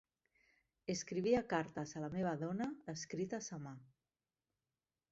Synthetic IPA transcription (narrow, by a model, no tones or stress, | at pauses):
eskɾiβ̞iakaɾt̪azalameβ̞aðɔnaːskɾit̪asama